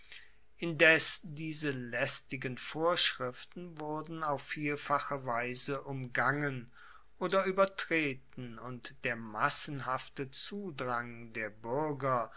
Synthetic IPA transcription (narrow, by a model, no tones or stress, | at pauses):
ʔɪndɛsdiːzəlɛstɪɡənfoːɐʃʁ̥ɪftn̩vʊɐdn̩aʊfːiːfaχəvaɪzəʔʊmɡaŋən | ʔoːdɐyːbɐtʁ̥eːtn̩ʊntd̥eːɐmasn̩ɦaftət͡suːdʁaŋdeːɐbʏɐɡɐ